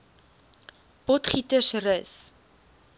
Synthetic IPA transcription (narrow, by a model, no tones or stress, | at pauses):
b̥ɔtχitəsrəs